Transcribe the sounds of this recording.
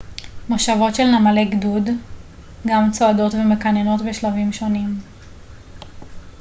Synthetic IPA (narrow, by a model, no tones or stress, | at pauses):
moʃavo̞tʃe̞lnamale̞ɡdud | ɡamt͡soado̞tveme̞kaneno̞tbeʃlavimʃo̞nim